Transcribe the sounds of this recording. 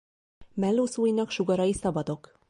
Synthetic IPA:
mɛlːoːsuːjinɒkʃuɡɒɾɒjisɒbɒd̪o̞k

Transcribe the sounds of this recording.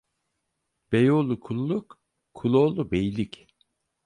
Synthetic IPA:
b̥ejolˠukʰulˠːukʰː | ulˠolˠubejlʲic

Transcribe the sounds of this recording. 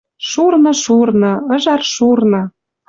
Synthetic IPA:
ʃurnɤ̆ʃurnɤ̆ə̆ʒɑrʃurnɤ̆

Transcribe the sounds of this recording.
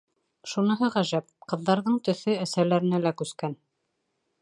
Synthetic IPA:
ʃunɤ̆ɦɤʁæʒæp̚qɤ̆ðːɑɾðɤɴt̪ɵ̆θɵæsælæɾɘ̆nælækʉskæn

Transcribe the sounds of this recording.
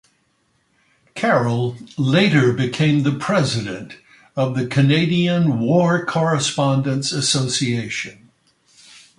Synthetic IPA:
kʰɛɹl̩ˠleɪɾə˞bɨkʰẽɪ̃mðɨpʰɹ̥ɛzɨɾɨ̰̃nt | ʌvðɨkʰɨneɪɾiɨ̃nwɔɹkʰɔɹɨspɑ̃ndɨ̃ntsɨsoʊsieɪʃɨ̃n

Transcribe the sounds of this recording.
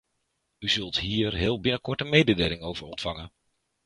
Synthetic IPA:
yzɵlˠtɦiːɹɦɪːlˠbɪnəkɔɹtəmejdədeːlɪŋowvəɹɔntfɑŋən

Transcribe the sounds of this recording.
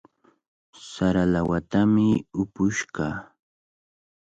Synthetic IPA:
saɾalawat̪amɪʊpʊʃɢɑ

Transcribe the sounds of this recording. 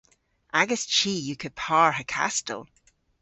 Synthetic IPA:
ʔaɡəst͡ʃʰiːjəkʰəd̚pʰaːɹhəkʰa̰stə̰lˠ

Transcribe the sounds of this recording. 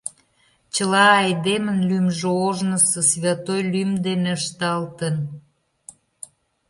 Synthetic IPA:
t͡ɕəlɑːjd̪emənlymʒooʒnəsəsβʲjɑt̪ojlymd̪eneəʃt̪ɑlt̪ən

